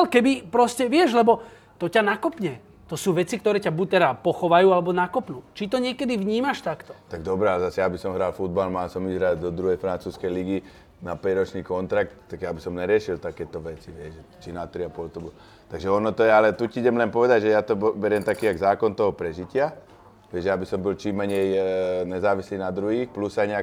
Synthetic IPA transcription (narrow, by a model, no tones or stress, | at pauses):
alkɛbipɾɔscɛʋɪɛʒlɛbɔ | t̪ɔcanakɔpɲɛ | t̪ɔsuːʋɛt͡sikt̪ɔɾɛːcabuc̚t̪ɛd̪apɔxɔʋajuːalɛbɔnakɔpnuːt͡ʃit̪̬ɔɲɪɛkɛd̪iʋɲiːmaʃt̪akt̪ɔ̥t̪aɡ̚d̪ɔbɾɛalɛzasɛjabisɔmɦɾaːlfud̪̚balmaːsɔmizɦɾaɟd̪ɔd̪ɾuɦɛjfɾant͡suːskɛjliɡi | napɛɟɾɔt͡ʃniːkɔnt̪ɾak̚t̪t̪ːaɡjabisɔmɲɛɾɪɛʃilt̪akɛːt̪ɔʋɛt͡siʋɪɛʒɛt͡ʃinat̪ɾiapɔlt̪ɔbɔl | t̪aɡʒɛɔnɔt̪ɔjɛalɛt̪uciiɟɛmlɛnpɔʋɛd̪aɟʒɛjat̪ɔbbɛɾɪɛmt̪akiːaɡzaːkɔnt̪ɔɦɔpɾɛʒicɪa | ʋɪɛʒɛabisɔmbilt͡ʃimːɛɲɛjɲɛzaːʋisliːnad̪ɾuɦiːxplusajɲɛak